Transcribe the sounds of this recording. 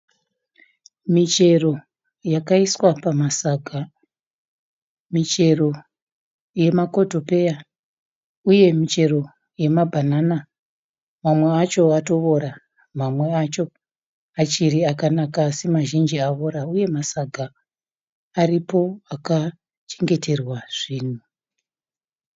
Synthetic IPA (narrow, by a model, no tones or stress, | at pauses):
mit͡ʃe̞ro̞ | jakaiswapamasaɡʱa | mit͡ʃe̞ro̞ | je̞mako̞to̞pe̞ja | uje̞mit͡ʃe̞ro̞ | je̞mabʱanana | mamwe̞at͡ʃo̞ato̞ʋo̞ɾa | mamwe̞at͡ʃo̞ | at͡ʃiɾiakanakasemaʒind͡ʒiaʋoɾauje̞masaɡʱaː | ripo̞aka | t͡ʃeŋɡe̞tʰe̞rwaʐ̥iːn̤u